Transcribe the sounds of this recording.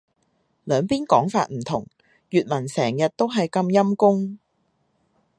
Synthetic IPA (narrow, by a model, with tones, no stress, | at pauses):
lœː˨˧ŋpiː˥nkɔː˨˥ŋfa̰ː˧t̚m̩˨˩t̪ʰʊ˨˩ŋ | jyː˨t̚mɐ˨˩nsɛː˨˩ŋjɐ˨t̚t̪o˥wɦɐ˨jkɐ˧mjɐ˥mkʊ˥ŋ